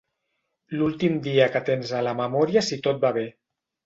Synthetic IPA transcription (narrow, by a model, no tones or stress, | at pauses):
lulˠt̪imd̪iəkət̪enzələməmɔɾiasit̪ot̪̚baβe